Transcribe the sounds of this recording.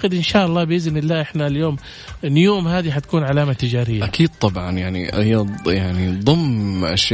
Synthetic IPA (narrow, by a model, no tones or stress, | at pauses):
qɪd̪ʔɪnʃaːʔɑlˤːɑːbɪʔɪznɪlːaːʔɪħnaljoːm | njoːmhaːðiħat̪ḁkuːnʕalaːmat̪ɪd͡ʒaːɾɪjːaʔakʰiːd̪̚t̪ˤɑbʕɑnjaʕnḭhijːajaʕnid̪ˤʊmʔa̰ʃj